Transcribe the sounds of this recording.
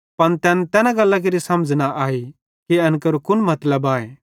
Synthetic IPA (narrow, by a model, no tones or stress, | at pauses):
pɐnt̪ɛːnɛt̪ɛːnãɡɐlːak̬eɾisɐməd͡ʒnaʔaːi | kiɐnkəɾukʊnmɐt̪ləbaːḛ